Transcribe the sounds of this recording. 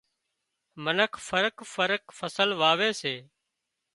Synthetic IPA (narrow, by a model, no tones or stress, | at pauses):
mənəkʰfəɾəkfəɾəkfəsəlʋaːʋeːseː